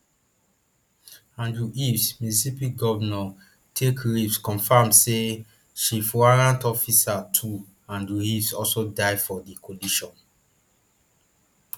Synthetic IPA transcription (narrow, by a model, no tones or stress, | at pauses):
ãndɹuʔifsminisipiɡɔvnɔ | tʰekɹifskɔ̃nfamse | ʃifwaɹãntɔfisatʰu | ãndɹuifsɔlsodaɪfɔdikʰɔ̃liʃɔ̃n